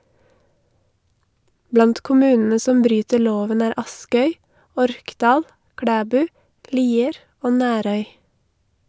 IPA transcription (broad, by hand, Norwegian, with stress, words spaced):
ˈblɑnt kʊˈmʉːnn̩ə ˈsɔm ˈbɾyːtəɾ ˈloːʋən ˈæːɾ ˈɑskœʏ ˈɔɾkˌdɑːl ˈkɽæːˌbʉː ˈliːəɾ ˈoː ˈnæːɾœʏ